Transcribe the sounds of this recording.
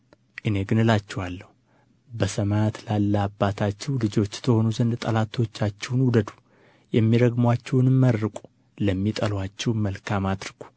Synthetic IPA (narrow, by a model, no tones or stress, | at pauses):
ʔɨne̞ɡɨnɨlat͡ʃːɛwalːəhu | bəsəmat̪lalːəabːat̪ʰat͡ʃːɛwlɨd͡ʒo̞t͡ʃːt̪ʰəho̞nuzənd̪t̪ʼəlat̪ʰo̞t͡ʃːat͡ʃːɛwnwud̪əd̪u̥ | jɛmːiɾəɡmwat͡ʃːɛwnɨmːəɾːɨkʷʼu̥ | ləmːit̪ʼəlwat͡ʃːɛwməlkʰamad̪ɾɨɡ̥u̥